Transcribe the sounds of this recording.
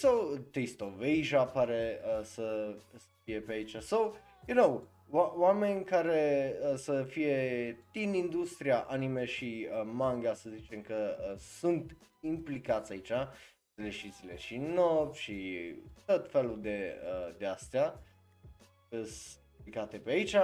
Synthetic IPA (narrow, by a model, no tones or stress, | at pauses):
sawt̪est̪oveʒapaɾeəsəsəfie̞peait͡ʃasaw | junow | awame̞nʲkaɾeəsəfije̞t̪inind̪ust̪ɾiaʔanimeʃiəmaŋɡasəzit͡ʃe̞mkəəsunt̪implikat̪sʲait͡ʃa | zeleʃit̪sileʃinopʃit̪ot̪feluld̪e̞əd̪east̪ea | əs | plikat̪e̞peait͡ʃa